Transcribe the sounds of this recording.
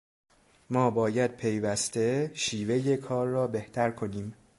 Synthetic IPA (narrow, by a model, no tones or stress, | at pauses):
mɒːbɒːjæd̪̥̚pʰe̞jvæst̪e̞ʃiːve̞je̞kʰɒːɾːɒːbe̞ht̪ʰæɾkʰo̞niːm